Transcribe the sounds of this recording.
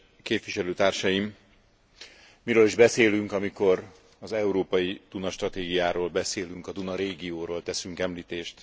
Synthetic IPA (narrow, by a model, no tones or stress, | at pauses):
keːpʋiʃɛløːt̪aːrʃɒjim | miɾøːliʒbɛseːlyŋkɒmiko̞r | ɒzɛuɾoːpɒjid̪̥unɒʃt̪rɒt̪eːɡijaːɾoːlbɛseːlyŋkɒd̪unɒɾeːɡioːɾoːlt̪ɛsyŋkɛmliːt̪eːʃt̪